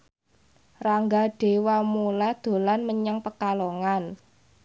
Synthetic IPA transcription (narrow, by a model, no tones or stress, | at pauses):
raŋɡaɖ̥e̤wamulad̪̥o̤lanməɲaŋpəkaloŋan